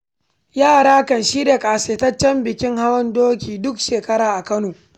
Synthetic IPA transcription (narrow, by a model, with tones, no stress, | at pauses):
jaː˦˨ɽaː˦kɐ˨nʃiː˦da˨kʼaː˨seː˨tɐ˦t͡ʃːɛ˦mbɪ˨kʲɪ˦ŋha˦wɐ˦ndoː˦kʲiː˨dʊ˦kʃeː˨kɐ˦ɽaː˨ʔa˨kɐ˦noː˨